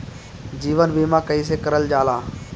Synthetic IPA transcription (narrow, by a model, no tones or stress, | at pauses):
d͡ʒiːʋənbiːmãːkəiːs̬ekəɾəld͡ʒaːlaː